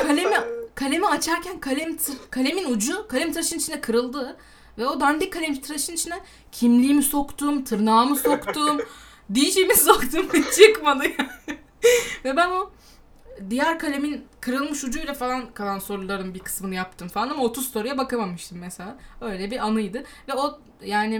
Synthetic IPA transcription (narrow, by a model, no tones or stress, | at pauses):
kʰalʲemikʰalʲe̞miat͡ʃʰaɾcʰænkʰalʲemt̪ʰkʰalʲe̞minud͡ʒukʰalʲemt̪ʰɾaʃɯnit͡ʃʰind̪ɛkʰɯɾɯlˠd̪ɯ | vɛo̞d̪and̪ikʰalʲemit̪ʰɾaʃɯnit͡ʃʰind̪ɛ | cʰimlʲiːmiso̞kt̪umt̪ʰɯɾnaːmɯso̞kt̪uːm | d̪ijiʃijmiso̞kt̪ʰumt͡ʃʰɯkmanɯja | vɛbæno | d̪ijæɾkʰalʲeminkʰɯɾɯlˠmɯʃud͡ʒujlʲɛfalˠankʰalˠanso̞ɾulˠaɾɯmbikʰɯ̥smɯnɯjap̚t̪ʰɯmfalˠanamaot̪ʰuz̥st̪o̞ɾujabakamamɯʃt̪ʰɯmːeselʲabø̞jlʲɛbiʔanɯjd̪ɯvɛo̞ | jaːnɪ